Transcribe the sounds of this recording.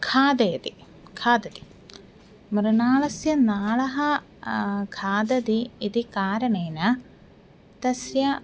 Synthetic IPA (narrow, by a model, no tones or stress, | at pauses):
kʰaːd̪eːd̪i | kʰaːd̪ɐd̪i̥ | mɾunaːɭɐsjɐnaːɭɐɦɐ | kʰaːd̪ɐd̪iːd̪ikaːɾɐɳeːnɐ | t̪ɐsjɐ